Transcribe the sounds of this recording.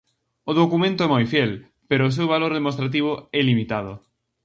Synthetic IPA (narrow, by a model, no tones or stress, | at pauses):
ʊðokumẽnt̪ʊɛmojfjɛl | peɾʊːs̬ewβaloɾðemost̪ɾat̪̬iβ̞ʊɛlimit̪að̞ʊ̰